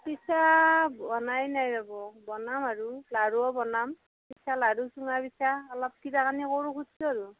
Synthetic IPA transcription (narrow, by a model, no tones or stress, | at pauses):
pisabɔnajnajzabɔbɔnamaɹulaɹuɔbɔnam | pisʰalaɹusuŋabisaalap̚tʰitakʰanikoɹukʰutsɔaɹu